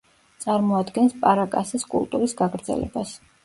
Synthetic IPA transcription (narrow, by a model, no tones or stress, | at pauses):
t̪sʼaɾmɔad̪ɡɛnspʼaɾakʼasɛskʼṵlˠt̪ʼuɾisɡaɡɾd̪zɛ̰lɛ̰bas